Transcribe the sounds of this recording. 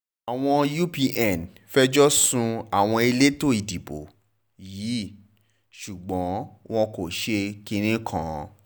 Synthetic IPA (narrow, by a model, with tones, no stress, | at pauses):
a˨w̃ɔ̃˧ju˦pi˧ʔɛ˨n | fɛ˦d͡ʒɔ˦sũ˧a˨w̃ɔ̃˧e˧le˦to˦˨i˨di˨bo̰˨ | jiː˨˦ | ʃu˨ɡ͡bɔ̃˨˦w̃ɔ̃˧ko˨ʃe˧kĩ˧ɾ̃ĩ˦kʰã̰˦˨˧